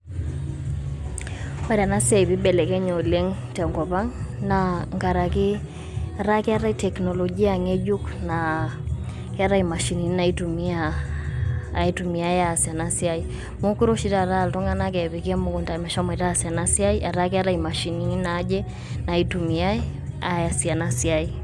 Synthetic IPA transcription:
wa˨ɾa˨na˦si˦a˨i˨βi˦bɛ˨lɛ˨kɛ˦ɲɔ˨lɛ˦ŋtɛ˨ŋɡɔ˨pa˦ŋnaŋɡa˨ɾa˨ki˦ | a˨ɾa˦kɛ˦a˦ɾa˦i˦tɛ˨knɔ˨lɔ˨ɡi˦aŋɛ˦d͡ʒu˦kna | kɛ˦a˦ɾa˦i˨ma˨ʃi˨ni˨n˦na˨i˦tu˨mi˦a˨ | i˦tu˨mi˨a˦ja˨si˨a˨na˦sia˦i˨ | mo˦ki˦ɾo˦ʃi˦ta˦˨ɾa˦˨ltɔ˦ŋa˦na˦kɛ˨βi˨ka˦mo˨ku˨nta˨mɛ˨ʃa˦mɛ˨taː˦˨sja˨na˦si˦a˦i˦ʔa˨ɾa˦ka˦ɾa˦ima˨ʃi˨ni˨i˦na˨˦d͡ʒɛ˦ | na˨i˦tu˨mi˨a˦ɛ˦ | a˨ja˨sa˨na˦si˨a˦i˦

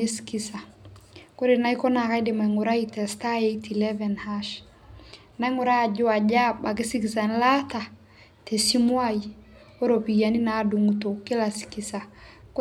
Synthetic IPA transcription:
e˦ski˦sa˨ko˦ɾe˨na˦i˦kɔ˦na˨ka˦jde˨ma˨i˨ŋʊ˨ɾa˦i˦tɛ˨sta˦je˦iti˨lɛ˦vɛ˨nhaʃ | na˦ŋʊ˨ɾaː˦˨d͡ʒʊ˦a˨ɟa˦ba˨k̬ɪ˦si˦ki˨sa˨n˦la˦ta˨ | te˨si˦mwa˦i˨ | o˦ɾo˨pi˨ɡa˨ni˦na˨˦du˨ŋuto˨ke˦la˨si̥ki˨sa˨k

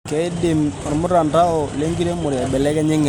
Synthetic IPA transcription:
kɛ˨ɪ˦dɪ˨mɔ˨ɾmʊ˦ɾa˨nda˦ɔ˨le˦ŋɡi˦ɾe˦mʊ˨ɾa˨bɛ˨lɛ˦kɛ˦ɲɪ˦ŋɛ˨

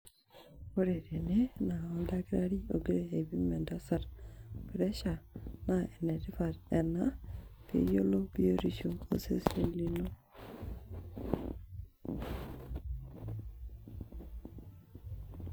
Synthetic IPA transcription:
wo˦ɾe˨ɾe˨ne˦na˨o˦nda˦kiɾa˦ɾi˦o˨ɡi˦ɾe˨e˨βi˦mɛ˨nda˦sa˨ɾpi˨ɾe˦ʃa˨nae˨ne˨ɾi˦fa˨ɾɛ˨napḛ˦jo˦lo˦bio˦ɾi˨ʃo˨o̰˨sḛ˦se˨li˦no˦

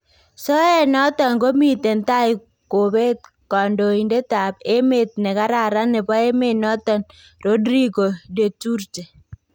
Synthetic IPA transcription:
sɔ˦ɛ˦˨nɔ˦tɔ˨ŋko˦mi˦˨te˨nta˦ɪ˨ | ko˨be˦t̚ | kɔ˨ndo˨i˨nde˦ta˨pe˦me˦˨t̚nɛ˨ka˦ɾa˨ɾa˦nɛ˨pɔ˦e˦me˦˨nɔ˦tɔ˨n | ro˦dɾi˦ɡo˨de˨tu˦rt͡ʃe˨

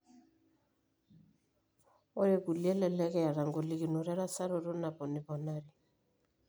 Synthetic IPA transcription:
ɔ˦ɾɛ˦ku˨li˦ɛ˦lɛ˨lɛ˦kɛ˦ja˨ɾa˨ŋɡɔ˨li˦ki˨nu˨ɾɛ˦ɾa˦sa˦ɾɔ˦ɾɔ˦na˨bɔ˨nɪ˨βɔ˨na˦ɾi˨

